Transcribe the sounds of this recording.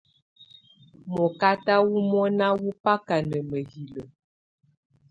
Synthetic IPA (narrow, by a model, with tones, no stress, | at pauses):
mɔ˨ka˦ta˦wu˦mɔ˦na˦wu˦pa˦ka˨nə˨mə˨ɦi˨lə˨